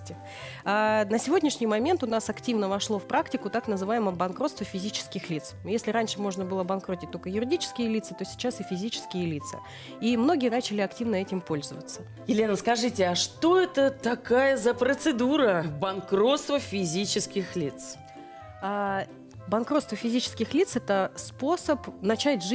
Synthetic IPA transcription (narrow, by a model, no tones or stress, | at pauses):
tʲɪ | anəsʲɪvo̞dʲnʲɪʂnʲɪjmɐmʲe̞nt̪ʊnasɐktʲivnəvɐʂlˠo̞fpɾaktʲɪkʊt̪aknəzɨvajɪməbɐnkɾo̞t̪st̪vəfʲɪzʲit͡ɕɪ̥skʲɪxlʲit̪sjesʲlʲɪɾanʲʂɨmo̞ʐnəbɨlˠəbɐnkɾo̞tʲɪt̪o̞lʲkəjʊɾʲɪdʲit͡ɕɪ̥skʲɪjəlʲit̪sət̪o̞sʲɪ̥t͡ɕasɨfʲɪzʲit͡ɕɪ̥skʲɪjəlʲit̪sə̰ | imno̞ɡʲɪjənat͡ɕɪlʲɪɐktʲivnəɛtʲɪmpo̞lʲzəvət̪sə | jɪlʲe̞nəskɐʐɨtʲɪaʂt̪o̞ɛt̪ət̪ɐkajəzəpɾət̪sɨd̪uɾəbɐnkɾo̞t̪st̪vəfʲɪzʲit͡ɕɪskʲɪxlʲit̪s | a | bɐnkɾot̪st̪vəfʲɪzʲit͡ɕɪ̥skʲɪxlʲit̪sɛt̪əspo̞səpnɐt͡ɕætʲʐ